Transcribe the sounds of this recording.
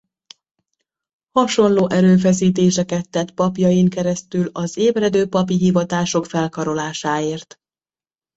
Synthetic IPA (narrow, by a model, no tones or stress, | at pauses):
hɒʃo̞nloːʔɛɾøːfɛs̬iːt̪eːʃɛkɛt̪ːɛt̪pɒpjɒjiŋkɛɾɛst̪ylɒzeːbrɛd̪øːpɒpiɦivɒt̪aːʃo̞kfɛlkɒɾo̞laːʃaːeːrt̪